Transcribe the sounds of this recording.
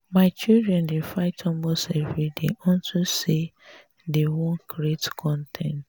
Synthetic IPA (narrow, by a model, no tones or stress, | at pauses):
maɪt͡ʃildɹɛ̃ndefaɪtʰɔ̃mbosɛvidḛɔ̃ntuse | dewõnkʰɾietkʰɔ̃ntʰɛ̰̃nt